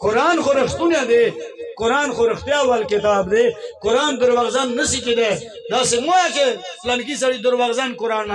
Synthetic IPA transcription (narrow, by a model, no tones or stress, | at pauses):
koɾaːnxoɾɐxt̪unjad̪ekoɾaːnxoɾɐxt̪jaːwɐlket̪aːbd̪ekoɾaːnd̪ɐɾwɐɣzɐnːɐsikid̪a | d̪aːsemojakeplɐnkis̬ɐɽid̪uɾwɐɣzɐnkuɾaːn